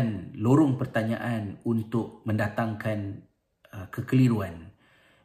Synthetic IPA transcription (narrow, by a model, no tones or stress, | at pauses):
nloɾʊŋpərt̪aɲa̰ʔanunt̪ʊk̚mə̃ndat̪aŋkan | kəkəliɾuan